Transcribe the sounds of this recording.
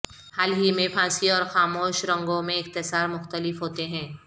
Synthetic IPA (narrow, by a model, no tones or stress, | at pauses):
haːlɦimẽpʰãːsiɔːɾxaːmoːʃɾɐ̃ŋɡõmẽɪxt̪ɪsaːɾmʊxt̪əlɪfɦoːt̪eɦɛ̃ː